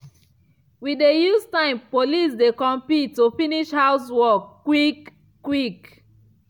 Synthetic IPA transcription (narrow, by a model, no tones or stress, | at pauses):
widejustãɪ̃mpolis̬dekɔ̃mpitːufiniʃhaʊs̬wɔkːwikː | wik